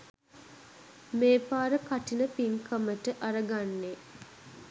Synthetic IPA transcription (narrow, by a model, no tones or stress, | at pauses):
meːpaːɾəkaʈinəpiŋkʰəməʈəʔaɾəɡanːe